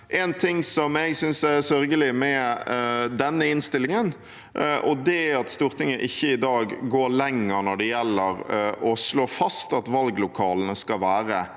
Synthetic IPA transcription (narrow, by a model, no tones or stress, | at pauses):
ʔɛnt̪ʰɪŋsɔmɛɪɡsʏnsæsœɾɡəlɪmɛ | d̪ɛnːəɪnst̪ɪlɪŋən | ʔɔd̪ɛæɑt̪st̪uːɾt̪ʰɪŋːəʔɪçːəɪd̪ɑːɡɡoːlɛŋːəɾnɔɖɛjɛlːəɾʔɔsloːfɑst̪ɑt̪ʋɑlɡlʊkʰɑːlənəskɑʋæːɾə